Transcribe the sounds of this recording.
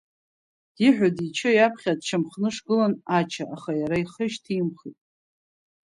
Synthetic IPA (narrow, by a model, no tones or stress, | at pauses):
d̥iħʷᶣadit͡ʃʰɨjapʰχʲad̚t͡ʃʰamχnɨʂɡɨlanat͡ʃʰaʔaχajaɾaiχəʃtʰimχitʼ